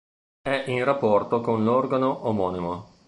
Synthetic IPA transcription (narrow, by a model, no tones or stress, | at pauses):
ɛʔinrapːɔrt̪okonlɔrɡanoʔomɔːnimo